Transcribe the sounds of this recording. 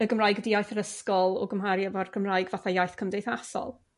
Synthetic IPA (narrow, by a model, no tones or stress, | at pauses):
əɡəmrajɡədijajθəɾəskɔlˠɔ̰ɡəmɦaɾjavarɡəmraːjɡvaθajajθkʰəmdejθasɔ̰lˠ